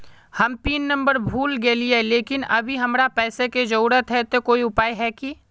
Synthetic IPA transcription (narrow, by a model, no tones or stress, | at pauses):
hɐmpiːnːə̃mbəɾbʱuːlɡeːlieleːkɪnɐ̰bʱiɦɐmɾapɛːseked͡ʒɐuːɾət̪ɦɛt̪okoːiʊpaːiɦɛki